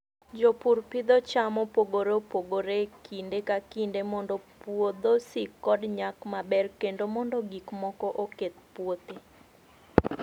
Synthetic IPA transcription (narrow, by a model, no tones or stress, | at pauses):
d͡ʒopurpɪd̪ɔt͡ʃamɔpoɡoɾopoɡoɾekʰindekakindemɔndɔpwod̪osikɔdɲakmabɛrkendomɔndɔɡikmɔkɔʔoket̪̚pwot̪e